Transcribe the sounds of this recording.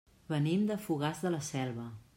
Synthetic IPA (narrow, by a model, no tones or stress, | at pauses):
βənimd̪əfuɣ̞azðələsɛlˠβə